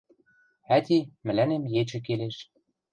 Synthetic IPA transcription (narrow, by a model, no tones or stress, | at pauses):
æt̪ʲimɘ̆lænemjet͡ɕɘ̆k̬eleʃ